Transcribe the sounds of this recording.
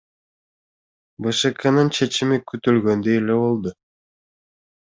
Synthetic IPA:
bɯʃɯkʰanɯnt͡ʃʰe̞t͡ʃimikyt̪ylɡønd̪øjeleβo̞lˠd̪ʊ

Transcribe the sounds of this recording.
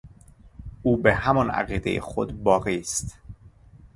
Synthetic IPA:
uːbehæmɒnæ̰ɣiːd̪e̞jḛxo̞d̪bɒːɣiːst̪

